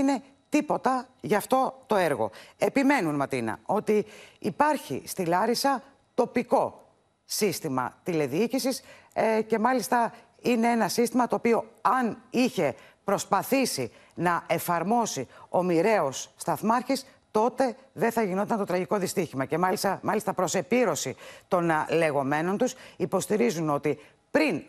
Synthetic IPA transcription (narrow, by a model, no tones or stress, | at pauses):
ne̞ | t̪ipo̞t̪ɐʝɐːft̪o̞t̪o̞eɾɣo̞̰e̞pime̞nunmɐt̪inɐ̰o̞t̪iːpɐɾçḭst̪ilɐɾisɐ | t̪o̞piko̞ | sist̪imɐ̰t̪ile̞ðiicisisce̞mɐlist̪ɐ | ine̞e̞nɐsist̪imɐt̪oːpio̞ɐniçe̞pɾo̞spɐθisi | nɐe̞fɐɾmo̞sio̞miɾe̞o̞sːt̪ɐθmɐɾçis | t̪o̞t̪e̞ðeθɐʝino̞t̪ɐnt̪o̞t̪ɾɐʝiko̞ðist̪içimɐce̞mɐlist̪ɐmɐlist̪ɐpɾo̞se̞piɾo̞sit̪o̞nle̞ɣo̞me̞no̞nt̪usipo̞st̪iɾizuno̞t̪i | pɾin